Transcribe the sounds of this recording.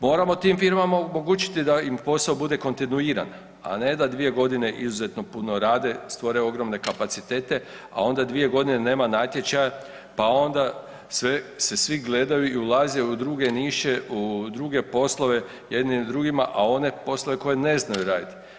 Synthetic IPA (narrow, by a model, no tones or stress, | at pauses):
mo̞ːɾamo̞t̪iːmfiɾmamaomo̞ɡuːt͡ʃi̥t̪id̪aimpo̞saobud̪e̞ko̞nt̪inuiːɾa̰n | a̰ne̞d̪ad̪ʋije̞ɡo̞d̪ine̞ʔizuze̞t̪no̞punoɾaːd̪e̞st̪ʋoɾeo̞ɡɾo̞mne̞kapat̪sit̪e̞ːt̪e̞ | a̰o̞nd̪ad̪ʋije̞ɡo̞d̪inene̞ːmanaːt̪je̞t͡ɕaja | pao̞nd̪a | sʋese̞sʋiɡle̞d̪ajuiulˠaːzeud̪ɾuɡe̞niːʃe̞ud̪ɾuɡe̞po̞slˠo̞ʋe̞ | je̞d̪nimd̪ɾuɡima̰ʔao̞ne̞po̞slˠo̞ʋe̞koje̞ne̞znajuɾaːd̪it̪i̥